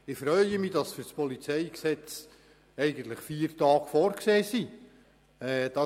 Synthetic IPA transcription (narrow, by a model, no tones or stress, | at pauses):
ɪfɾœʏəmid̥ɑsfyɾspɔlit͡sɛɪksɛt͡s | ɛɪɡən̩t̪ləχfiːəɾtɑːɡ̥fɔːɾkseːsi | ɛd̥ɑ